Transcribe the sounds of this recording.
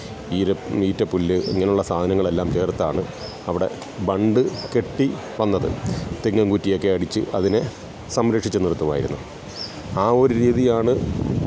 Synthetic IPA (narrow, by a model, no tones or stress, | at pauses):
iːɾɐʋiːtːɐpːulːɨḛŋːɐneuɭːɐsaːd̪ʱɐnɐŋːɐɭe̞lːaːmt͡ɕeːrt̪ːaːɳɨ | ɐʋiɽe̞̰ | bɐɳɖɨke̞ʈːi | ʋɐnːɐðɨ̰t̪iŋːɐŋɡutːijo̞kːe̞ɐɽit͡ɕːɨɐðine̞ | sɐmɾɐkʂit͡ɕːunirut̪ːuʋa̰ːjḭɾṵnːu | aːo̞ɾuɾiːðijaːɳɨ